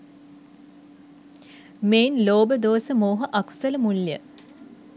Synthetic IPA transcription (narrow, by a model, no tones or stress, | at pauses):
meːnloːbəd̪oːsəmoːɦəʔaksələmuljə̰